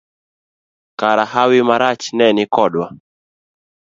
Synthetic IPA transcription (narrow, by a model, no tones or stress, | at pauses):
kaɾahawɪmaɾat͡ʃnɛnɪkɔɗwa